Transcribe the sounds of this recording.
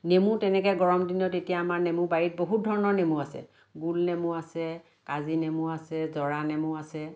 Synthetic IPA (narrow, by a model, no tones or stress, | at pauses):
nemutɛnɛkɛɡɔɹɔmdinɔtetijaːmaɹnemʊbaɹit̚boɦut̚dʱɔɹɔnɔɹnemuasɛ̰ | ɡulnemuasɛ | kazinemuasɛzɔɹanɛmʊasɛ